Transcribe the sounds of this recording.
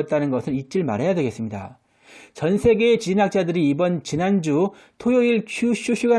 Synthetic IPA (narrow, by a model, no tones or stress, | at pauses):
t̚t͈anɯnɡʌsʰɯɾit͡ɕ͈iɭma̰ɾɦajadwe̞ɡe̞s͈ɯmɲida̰ | t͡ɕʌnsʰe̞ɡe̞ːt͡ɕinak̚t͡ɕ͈adɯɾiːbʌnt͡ɕinand͡ʑu | tʰojoiɭt͡ɕʰuɕʰuɕʰuɡa